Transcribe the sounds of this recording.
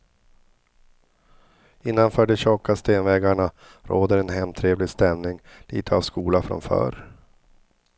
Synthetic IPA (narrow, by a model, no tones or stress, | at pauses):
ɪnːanfœːɖɛɕɔkːast̪eːnvɛːɡaɳa | ɾʔoːd̪əɾɛnɦɛmt̪ʰɾeːvlɪɡst̪ɛmnɪŋ | lḭːt̪ʰəavskuːlafɾa̰mfœ̰ːɾ